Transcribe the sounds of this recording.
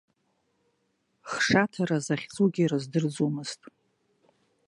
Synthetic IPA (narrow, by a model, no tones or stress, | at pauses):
χʂatʰaɾazaχʲt͡sʼuɡʲirɨzdɨrd͡zumɨstʼ